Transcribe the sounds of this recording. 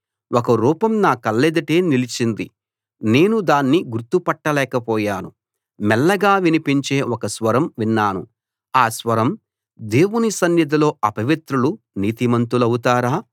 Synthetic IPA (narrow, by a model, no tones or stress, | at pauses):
wɔkɐɾuːpɐmnaːkɐlːed̪ɐʈe̞ːnilit͡ʃind̪i | ne̞ːnud̪aːnːiɡuɾt̪upɐʈːɐlɛːkɐpɔːjaːnu | mɛlːɐɡaːʋinipiɲt͡ʃe̞ːɔkɐsʋɐɾɐmʋinːaːnu | aːsʋɐɾɐm | d̪e̞ːwunisɐnjɐd̪ɐlo̞ːɐpɐʋit̪ɾulu | niːt̪imɐnt̪ulɐwut̪aːɾaː